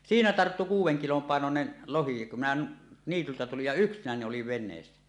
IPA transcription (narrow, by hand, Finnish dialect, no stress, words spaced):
siːnæ tɑrtːu kuːwˑeŋ kilom pɑˑenonen lohi kum minæ niːtyltæ tulij jɑ yksinæni oliʋ ʋenˑeːsːæ